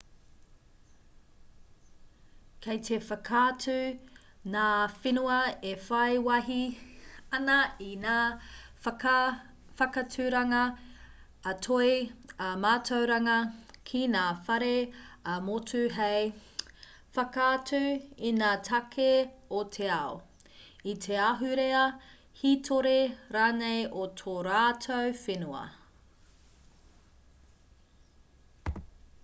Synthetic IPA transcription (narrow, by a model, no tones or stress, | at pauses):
kʰejtʰefɐkʰaːtʉ | naːfinuɐefɐjwɐɦi | ɐnɐinaː | fɐkɐtʰʉɾɐŋɐː | tʰoemaːtʰowɾɐŋɐkʰinaːfɐɾemotʉɦej | fɐkaɐtʉinaːtʰɐkʰeotʰe̞ɐo | itʰe̞aɦʉɾeɐ | hitʰoɾeɾaːnejʔotʰoɾaːtʰowfenuɐ̰